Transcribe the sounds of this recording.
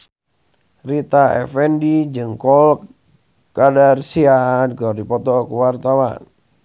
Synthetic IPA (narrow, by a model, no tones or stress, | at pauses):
rit̪aɛ̰fɛndid͡ʒɨŋkɔl | ɡadarsianɡɔrdipɔt̪ɔkuwart̪awa̰n